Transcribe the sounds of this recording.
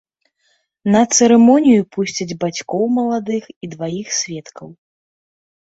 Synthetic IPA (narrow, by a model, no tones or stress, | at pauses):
nɐt̪sɛɾɛmɔnʲijupusʲt͡sʲɐd͡zʲbat͡sʲkɔwmɐlˠad̪ɨxid̪vajixsʲvʲɛt̪kʰɐw